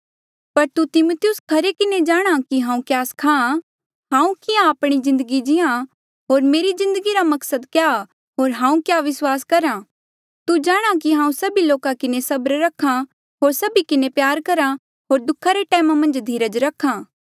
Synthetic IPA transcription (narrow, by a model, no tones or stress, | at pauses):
pɐɾt̪ut̪ɪmoːt̪ɪjʊskʰɐɾekɪned͡ʒaːɽ̃akiɦãːũkjaːskʰãã | ɦãːũkɪjãaːpɽ̃izɪ̃nd̪əɡid͡ʒɪã | ɦoːɾmeːɾizɪ̃nd̪əɡiɾamɐksəd̪kja | ɦoːɾɦãːũkjaʋɪswaːskɐɾã | t̪ud͡ʒaːɽ̃ak̬iɦãːũsɐbiloːkakɪnesɐbɾɾɐkʰːã | ɦoːɾsɐbikɪnepjaːɾkɐɾa | ɦoːɾd̪ʊkʰːaɾeʈɛːmamɐ̃nd͡ʒd̪ʱiːɾəd͡ʒɾɐkʰãː